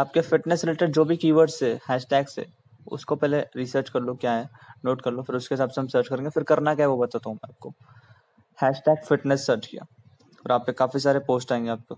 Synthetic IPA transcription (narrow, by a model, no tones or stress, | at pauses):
aːp̚kefɪʈnɛsɾɪleːʈəɖd͡ʒoːbʱikiːʋəɾɖsehɛːʃʈɛːksḛ | ʊ̰skopɛːleɾiːsəɾt͡ʃkɐɾlokjaːɦɛnoːʈkɐɾlofɪɾʊskeɪsaːbseɦɐmsəːɾt͡ʃkɐɾẽːŋɡefɪɾkɐɾnakaɦɛʋobɐt̪aːt̪aɦũmɛ̃aːp̚ko | hɛːʃʈɛːkfɪʈnɛsːəɾt͡ʃkija̰ː | ɔːɾaːpːekaːfisaːɾepoːsʈaːẽːŋɡeaːp̚koː